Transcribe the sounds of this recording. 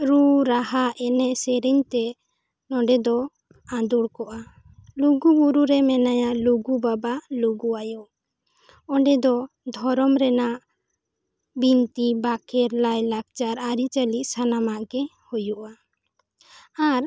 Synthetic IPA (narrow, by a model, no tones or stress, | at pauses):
ɾuɾaɦaɛnɛʔsɛɾɛɲt̪ɛ | nɔɖɛd̪ɔ | ãd̪uɽkɔʔa | luɡubuɾuɾɛmɛnajaʔluɡubabaluɡuajɔʔ | ɔɖɛd̪ɔ | d̪ʱɔɾɔmɾɛnaʔ | bint̪ibakʰɛɾlajlak̚t͡ʃaɾaɾit͡ʃaliʔ̪̚sanamaʔɡɛhujuʔa | aɾ